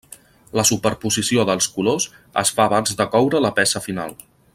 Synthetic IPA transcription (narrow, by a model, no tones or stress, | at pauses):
ləsupəɾpuzisioðəlˠskulos | ə̰sfaːβ̞anzðəkɔwɾələpɛsəfina̰lˠ